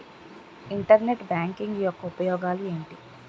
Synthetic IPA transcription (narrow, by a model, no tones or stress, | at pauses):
iɳʈɐɾne̞ʈbaːŋkiŋɡjɔkːɐupɐjɔːɡaːlue̞ːɳʈi